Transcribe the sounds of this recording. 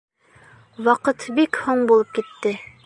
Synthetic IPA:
wɒqɤt̪bikhoɴbulˠɤp̚kit̪ːɘ

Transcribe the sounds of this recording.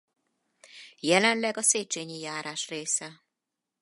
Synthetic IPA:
jɛlɛnlɛɡɒseːt͡ʃeːɲijaːɾaːʃreːsɛ

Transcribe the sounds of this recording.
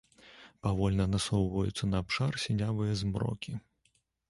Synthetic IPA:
pavɔlʲnɐnasɔwvɐjut̪sːɐnɐaːpʂarsʲinʲavɨjɐzmrɔ̰kʲi

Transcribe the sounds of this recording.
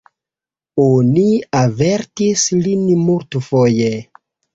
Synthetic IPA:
oniave̞ɾtislinmultfoje

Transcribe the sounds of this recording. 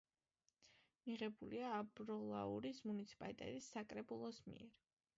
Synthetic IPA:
miʁɛbuliaːbɾɔlˠa̰uɾismunit̪sʰi̥pʼalit̪ʼɛ̰t̪ʼisːakʼɾɛbulˠɔsmḭɛɾ

